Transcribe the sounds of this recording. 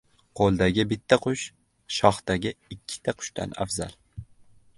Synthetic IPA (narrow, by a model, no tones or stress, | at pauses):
qʰolˠd̪aɡʲɪbɪt̪ʰːaqʰʊʃ | ʃɒχt̪aɡʲɪɪkʲʰːɪ̥t̪ʰaqʰʊ̥ʃt̪ʰa̰na̰fza̰lˠ